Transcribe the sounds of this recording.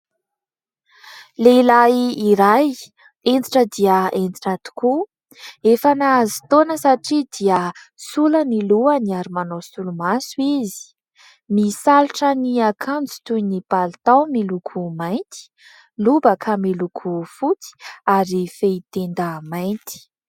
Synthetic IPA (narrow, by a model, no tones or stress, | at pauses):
leilaiːɾaj | end͡z̪iʈ͡ʂəd̪iəend͡zi̥ʈ͡ʂat̪u̥ku | efanaazi̥t̪onəsaʈ͡ʂid̪iə | suləniluəniaɾimanosulumasuizi̥ | misaluʈ͡ʂəniakʰãnd͡zi̥t̪ujnipalit̪awmilukʰumajnt̪i̥ | lubəkʰamilukʰufut͡si̥aɾifeit̪end̪əmajnt̪i̥